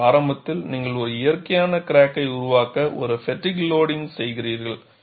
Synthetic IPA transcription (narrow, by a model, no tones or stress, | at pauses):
aːɾɐmbɐt̪ːɪlniːŋɡɐɭɔɾɯɪjɐɾkɐjaːnɐkɪɾaːkːɐɪʊɾʊʋaːkɐʔɔ̰ɾɯfɛʈːɪkloːɽɪŋsɛjɣɪriːɾɣɐɭ